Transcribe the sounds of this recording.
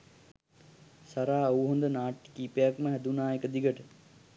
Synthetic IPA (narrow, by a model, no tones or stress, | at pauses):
saɾaːɐwuɦond̪ənaːʈːkiːpejakməɦæd̪unaːekəd̪iɡəʈə